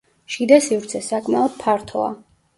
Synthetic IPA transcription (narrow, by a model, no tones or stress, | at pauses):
ʃid̪asivɾt̪sʰɛsakʼmɛɔd̪̥̚pʰaɾt̪ʰɔ̰a̰